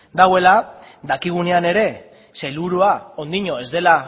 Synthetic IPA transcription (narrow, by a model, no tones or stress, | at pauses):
d̪awe̞la | d̪akiɣ̞une̞ane̞ɾe̞ | se̞luɾuao̞nd̪iɲo̞e̞zd̪e̞la